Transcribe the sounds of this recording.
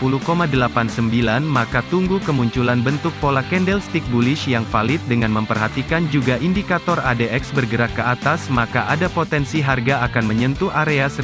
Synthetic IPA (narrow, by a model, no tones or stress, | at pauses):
pulukomadəlapansəmbilanmakat̪uŋɡukəmuɲt͡ʃulanbənt̪ʊk̚polakɛndɛlst̪ik̚bulɪʃjaŋfalɪt̪̚dəŋanməmpərɦat̪ikand͡ʒuɡaʔindikat̪ɔradeʔɛksbərɡəɾakːəat̪asmakaʔadapot̪ɛnsiɦarɡaakanməɲənt̪uʔaɾeas